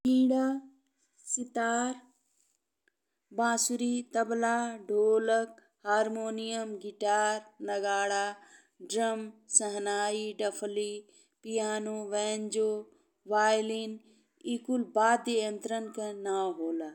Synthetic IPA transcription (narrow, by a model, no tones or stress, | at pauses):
kĩːɽaː | sɪt̪aːɾ | bãːsuɾit̪ɐblaːɖʱoːlək̚ | haːɾmoːnijɐmɡɪʈaːɾnɐɡaːɽaː | ɖɾɐmsɐɦnaːiɖɐpʰli | pijaːnuʋɛːnd͡ʒoː | ʋaːjlin | iːkulbaːd̪ejɐnt̪ɾənkɐnaːɦoːlaː